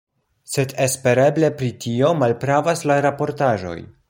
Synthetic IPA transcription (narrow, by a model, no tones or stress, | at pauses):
se̞de̞spe̞ɾe̞ble̞pɾitʰio̞malpɾavaslaɾapo̞ɾtaʒo̞̰j